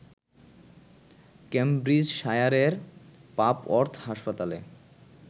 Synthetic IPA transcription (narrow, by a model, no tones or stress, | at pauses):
kembɾid͡ʑʃajaɾeɾpapɔɾt̪ʰɦaʃpat̪ale